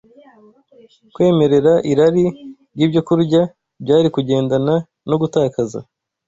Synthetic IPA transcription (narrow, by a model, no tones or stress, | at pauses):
kwe̞ːme̞ɾe̞ɾaʔiɾaɾiɾjiːbɟo̞kuɾɟa | bɟaːɾikuɟe̞ːndana | no̞ɡutaːkaza̰